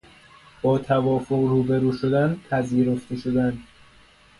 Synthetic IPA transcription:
b̥ɒːt̪ʰævɒːfoɣruːbeɾuːʃod̪ænpʰæziːɾo̞ft̪e̞ʃod̪ænd̪

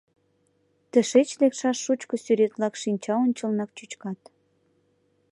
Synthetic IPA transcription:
t̪ə̆ʃet͡ɕlekʃɑʃːut͡ɕkŏsyɾet̪lɑkʃinʲt͡ɕɑonʲt͡ɕəlnɑk̚t͡ɕyt͡ɕkɑt̪

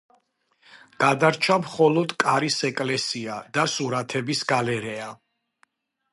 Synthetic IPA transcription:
ɡ̥ad̪aɾt͡ʃʰamχɔlɔd̪kʼaɾisɛkʼlɛsiad̪asuɾat̪ʰɛbisɡalɛɾɛa

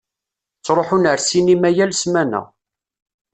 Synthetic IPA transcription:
t͡sːɾˤoħunəɾsinimæjælsmænæ̰

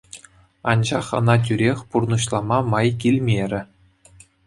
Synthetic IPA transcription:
ɑnʑɑχɤ̆nɑt̬ʲyɾʲexʲpurnɤɕlˠɑmɑmɑjkʲilʲmʲerʲɘ̆

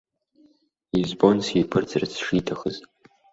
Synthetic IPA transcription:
izbo̞nsʲipʰɨrd͡zrt͡sʰʂitʰaxəz

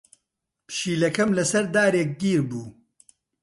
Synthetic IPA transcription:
pʃiːlɐkɐmlɐsɐɾd̪aːɾeːk̚ɡiːɾbuː

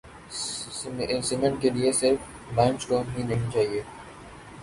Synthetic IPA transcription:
sɪŋə̃ɳʈkeliesɪɾf | bãːnsʈoːnɦĩnɐɦĩit͡ʃaːɦieː

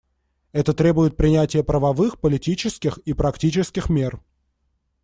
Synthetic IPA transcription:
ɛt̪ət̪ɾʲebʊjɪt̪̚pɾʲɪnʲætʲɪjəpɾəvɐvɨxpəlʲɪtʲit͡ɕɪskʲɪxipɾɐktʲit͡ɕɪskʲɪxmʲer

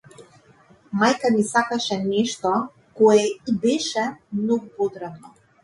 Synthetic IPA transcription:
majkamisakaʃɛnɛʃt̪ɔ | kɔjɛibɛʃɛmnɔɡupod̪ɾad̪nɔ

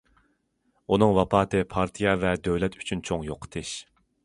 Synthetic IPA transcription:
unɨŋwɑpʰɑːt̪ʰɨpʰɑɾt̪ʰijɑvɛd̪øwlɛt̪ʰy̥t͡ʃʰynt͡ʃʰoŋjoqʰə̥t̪ʰɪʃ

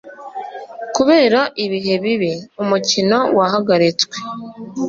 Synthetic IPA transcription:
kuβe̞ːɾaʔiβiɦe̞βiβiumucino̞waɦaɡaɾit͡sɡwe̥

